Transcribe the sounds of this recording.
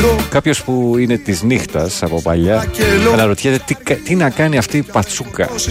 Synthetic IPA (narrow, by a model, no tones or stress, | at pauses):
kɐpço̞spuine̞t̪iznixt̪ɐsɐpo̞pɐ̰ʎɐɐnɐɾo̞t̪çet̪et̪ikɐt̪inɐkɐniɐft̪iːpɐt͡sukɐ̰